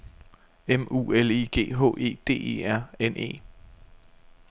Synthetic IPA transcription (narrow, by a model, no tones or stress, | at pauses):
emṵːeliɡ̥e̝̰ːɦo̰̽ːʔe̝̰ːd̥e̝̰ːe̝̰æɐ̰enʔe̝̰ː